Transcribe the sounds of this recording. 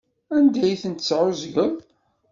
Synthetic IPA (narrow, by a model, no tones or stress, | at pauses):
ænd̪æjθənt̪t͡sːʕʊzʝəm